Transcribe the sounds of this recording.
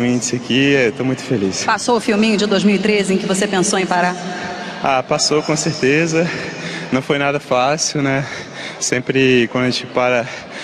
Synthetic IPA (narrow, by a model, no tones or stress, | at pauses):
ĩd͡ʒɪsɪakiɛt̪omũj̃t̪ʊ̥felispasoʊfiwmĩɲʊd͡ʒɪd̪ojzmiwit̪ɾezɪẽj̃kɪvosepẽsowẽj̃paɾa | apasokõseɾt̪ezɐnɐ̃w̃fojnad̪ɐfasiwnɛ | sẽpɾɪkwɐ̃d̪ɐʒẽt͡ʃɪpaɾɐ